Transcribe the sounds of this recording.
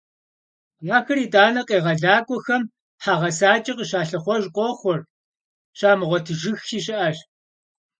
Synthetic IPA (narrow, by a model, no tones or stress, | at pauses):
jaːxɐriːtʼaːnɐqʼeːʁɐɮaːkʷʼɔxɐm | ħaʁɐsaːt͡ʃʼɐqəʃaːɬɨχʷɔʒqʷʼɔχʷɔr | ʃaːmɨʁʷɔtʰɨʒɨxiːɕɪʔaɕ